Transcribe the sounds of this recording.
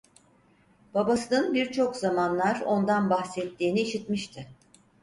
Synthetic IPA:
b̥abasɯnɯnbiɾt͡ʃʰo̞kzamanlˠaɾo̞nd̪anbaxsɛt̪ʰːiːniːʃit̪miʃt̪ʰɪ

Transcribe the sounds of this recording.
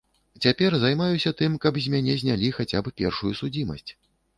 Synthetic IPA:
t͡sʲapʲɛrzajmajusʲɐt̪ɨmkɐbzʲmʲanʲɛzʲnʲalʲixat͡sʲabɨpʲɛrʂujusud͡zʲimɐ̰sʲt͡sʲ

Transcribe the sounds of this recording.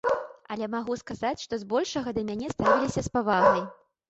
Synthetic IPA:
ɐlʲɛmaɣuskazat͡sʲʂt̪ɔzbɔlʲʂɐɣɐd̪ɐmʲanʲɛst̪avʲilʲisʲɐspavaɣnɐj

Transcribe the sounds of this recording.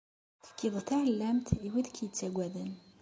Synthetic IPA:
θə̥kːiðˤθaʕəlːæmt̪iwiðkʰjət͡sːæɡʷæðən

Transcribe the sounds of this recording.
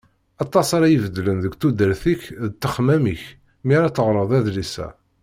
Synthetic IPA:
ɑt̪ˤːɑsɑɾajivəd̪lənðəɡʷt̪ud̪əɾθiçðt̪ːəχmæmiç | miɾæt͡s̪ːəʁɾˤəðˤæðlisæ̰

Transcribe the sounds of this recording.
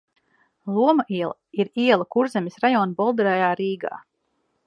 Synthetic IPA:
lˠuɔmɐʔiɛlˠa | iɾiɛlˠakuɾzɛmʲisɾajɔːnbɔlˠd̪ɾɛjaːɾiːɡa̰ː

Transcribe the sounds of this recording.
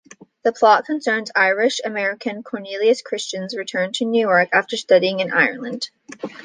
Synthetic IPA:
ðɨpʰl̥ɑt̚kʰɨ̃nsɜ̃˞nzaɪɹɪʃɨmɛɹɨkʰɨ̃nkʰɔɹnilˠiɨskʰɹ̥ɪst͡ʃɨ̃nzɹɨtʰɜ̃˞ntʰɨnʉjɔɹkæftə˞stʌɾiɪ̃ŋɨ̃nʔa̰ɪə̰̃˞nlˠə̃nd̥

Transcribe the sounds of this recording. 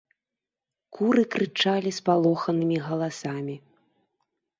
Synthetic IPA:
kuɾɨkɾɨt͡ʂalʲispalˠɔxɐnɨmʲiɣɐlˠasamʲi

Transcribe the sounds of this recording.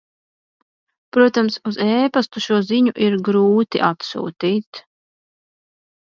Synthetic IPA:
pɾuɔt̪amsuzɛːpast̪uʃuɔziɲuʔiɾɡɾuːt̪ḭʔat̪sṵːt̪iːt̪

